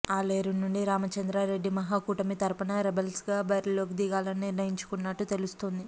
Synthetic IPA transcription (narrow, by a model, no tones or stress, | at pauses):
aːleːɾunːuɳɖiɾaːmɐt͡ʃɐnd̪ɾaːɾe̞ɖːimɐɦaːkuːʈɐmit̪ɐɾpɐnɐɾebelsɡaːbɐɾiloːk̬id̪iɡaːlɐnːiɾnɐjiɲt͡ʃu̥kunːɐʈːut̪e̞lust̪ond̪i